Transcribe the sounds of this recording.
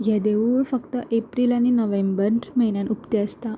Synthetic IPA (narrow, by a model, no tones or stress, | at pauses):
jad̪euɭfəkt̪əʔepɾilañinəʋembəɾməɦinjanupt̪eəst̪a